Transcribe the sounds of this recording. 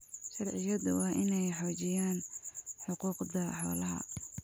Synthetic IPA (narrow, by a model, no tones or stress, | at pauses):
ʃɑrʕɪjɐðʊwɑːʔɪnɛjħɔːt͡ʃɪjaːnħʊquːqd̪ɐħɔ̰ːlɐɦɐ̰